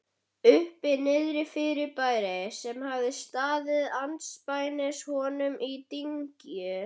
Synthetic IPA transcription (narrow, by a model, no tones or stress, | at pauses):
ʏhpɪnɪðɾɪfɪɾɪpaːjɾasɛmhavðɪst̪aːðɪðant̪spaːjnɪshɔnʏmʔit̪iɲcjʏ